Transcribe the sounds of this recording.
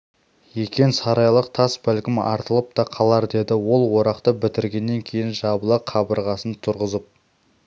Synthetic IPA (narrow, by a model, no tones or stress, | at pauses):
je̞kʲe̞nsɑɾɑjlˠəq̚t̪ʰɑsbælkʲɪmɑ̰ɾt̪əlˠəp̚t̪ɑqʰɑlˠɑɾd̪e̞d̪ɪwo̞lˠwo̞ɾɑqt̪əbɪt̪ɪɾɡʲe̞nːe̞ŋkʲʰe̞jɪnʒɑbəlˠəqqʰːɑbəɾʁɑsənt̪ʰʊɾʁəzəp̚